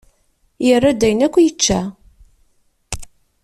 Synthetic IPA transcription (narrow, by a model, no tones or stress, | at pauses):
jərːad̪æjənækʷːjət͡ʃːæ